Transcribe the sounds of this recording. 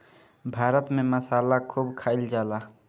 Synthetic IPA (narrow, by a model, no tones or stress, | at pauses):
bʱaːɾət̪mẽməsaːlakʰuːbkʰaːɪld͡ʒaːlaː